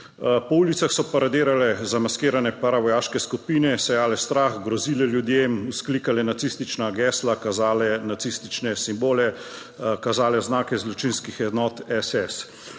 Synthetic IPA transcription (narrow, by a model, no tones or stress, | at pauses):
pɔuːlit̪saxsɔpaɾad̪eːɾalɛzamaskeːɾanɛpaɾaʋɔjaːʃkɛskupiːnɛsɛjaːlɛst̪ɾaːxɡɾɔziːlɛljud̪jemuskliːkalɛnat̪sist̪it͡ʃnaɡɛːslakazaːlɛnat̪sist̪it͡ʃnɛsimboːlɛ | kazaːlɛznaːkɛzlɔt͡ʃinskixɛd̪nɔːt̪ɛsɛs